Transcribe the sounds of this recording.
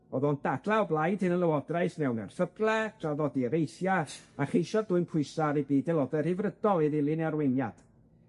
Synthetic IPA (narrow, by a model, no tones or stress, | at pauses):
ɔðɔnd̥adlˠaɔblˠajdɪnəlˠəwɔdraɨsnɛwnɛ̰rθəblˠɛtʰraðɔdiɾejθjaaχejʃɔdʊɨnpʰʊɨsaɾibiːdɛlˠɔdɛr̥hɪvrədɔlˠiðɪlˠɪnarwenja̰d̥